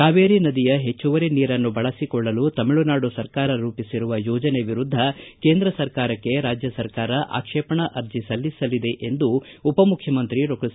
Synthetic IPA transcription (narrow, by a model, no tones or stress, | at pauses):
kaːʋeːɾinɐd̪ijɐɦe̞t͡ʃːuʋɐɾeniːɾɐnːubɐɭɐsikɔɭːɐlut̪ɐmiɭunaːɽusɐɾkaːɾɐɾuːpisiɾuʋɐjɔːd͡ʒɐneʋiɾud̪ʱːɐke̞ːnd̪ɾɐsɐɾkaːɾɐkːe̞ɾaːd͡ʒjɐsɐɾkaːɾɐʔa̰ːkʂeːpɐɳɐʔɐɾd͡ʒisɐlːisɐlid̪e̞ʔend̪uːpɐmukʰjɐmɐnt̪ɾiɾokis